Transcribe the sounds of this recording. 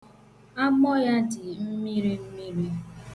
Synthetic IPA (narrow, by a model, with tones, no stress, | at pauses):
a˦mɔ˦ja˦dɪ˨m̩˦mi˦ɾi˦m̩˦mi˦ɾi˦